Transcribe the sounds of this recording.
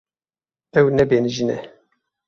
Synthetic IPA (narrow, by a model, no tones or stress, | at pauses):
ɛwnɛbeːnɨʒinɛ̰